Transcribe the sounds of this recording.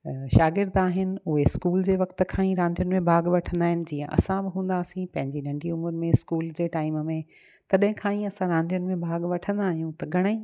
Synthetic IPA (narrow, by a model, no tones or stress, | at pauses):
ʃaːɡɪɾd̪aːɦɪnɪ̆ʊɦeskuːld͡ʑeːʋɐkt̪ə̆kʰãːĩɾãːnd̪ʱjʊnɪ̆mẽbʱaːɡʋɐʈʰə̃nd̪aːɦɪnɪ̆d͡ʑiːə̃ʔɐ̰sãbɪɦũːn̆d̪aːsĩpɐ̃ɦɪ̃ɲd͡ʑinɐ̃ɳɖʱiʊməɾmẽskuːld͡ʑeːʈaːɪməmẽ | t̪ɐɗɦɪ̃kʰãːĩɐsãɾãːnd̪ijʊnɪ̆mẽbʱaːɡʋɐʈʰə̃nd̪aːɦijũt̪ɐɡʱɐɽ̃əĩ